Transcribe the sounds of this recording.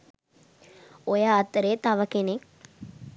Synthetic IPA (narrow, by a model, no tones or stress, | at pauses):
ojaːt̪ːəɾeːt̪aʋɐkenek